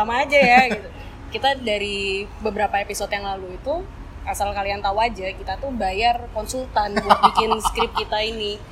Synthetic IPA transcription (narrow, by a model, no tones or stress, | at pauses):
amaːd͡ʒajaɡit̪u | kit̪adaɾibəbəɾapaepisɔt̪jaŋlaluit̪u | asalkaliant̪awad͡ʒakit̪at̪ubajarkɔnsult̪anbuat̪̚ikbɪnskɾɪp̚kit̪aini